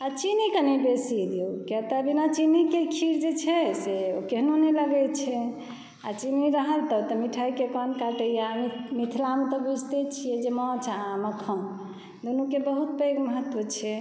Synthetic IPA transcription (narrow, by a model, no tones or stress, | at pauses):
at͡ʃinikənibesid̪iokɛt̪əbinat͡ʃinikekʰiɾd͡ʒet͡ʃʰɛseokeɦnonɛləɡɛt͡ʃʰɛ | a̰t͡ʃiniɾəɦəlt̪ɔt̪ɔmiʈʰaikekənkaʈəjammit̪ʰilamẽt̪ɔbud͡ʒʱt̪et͡ʃʰijɛd͡ʒemɔ̃t͡ʃʰaməkʰəm | d̪onukebəɦut̪̚peɡməɦət̪ːʋət͡ʃʰɛ